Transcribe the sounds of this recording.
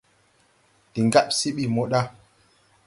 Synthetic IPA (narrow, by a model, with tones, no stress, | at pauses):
ɗi˨ŋɡa˦p̚si˦ɓi˦˨mo˦ɗa˦